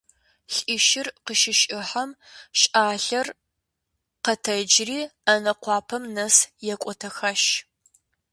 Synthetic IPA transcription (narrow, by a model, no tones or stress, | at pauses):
ɬʼiʃɪrqəʃɪʃʼɪħɐm | ɕʼaːɬɐr | qɐtʰɐd͡ʒriːɐnɐqʷɑːpʰɐmnɐsjɛkʷʼɔtʰɐxɐʃ